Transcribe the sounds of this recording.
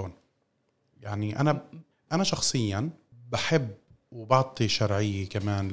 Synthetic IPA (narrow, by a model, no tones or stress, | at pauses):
oːn | jaʕniʔa̰na | ʔanaʃɑxsˤɨjːanbaħɪbː | wbɑʕt̪ˤiʃɑɾˤʕɪjːekamaːnl